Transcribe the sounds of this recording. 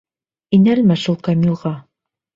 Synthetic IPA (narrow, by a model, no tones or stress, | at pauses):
inælmæʃulˠkɐmʲilˠʁɑ